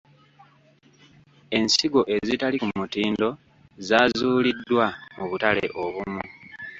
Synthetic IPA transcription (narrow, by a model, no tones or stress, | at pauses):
e̞nsiɡo̞ʔe̞zitalikumutiːndo̞ | zaːzuːlidːwamuβutale̞̰ʔo̞βumu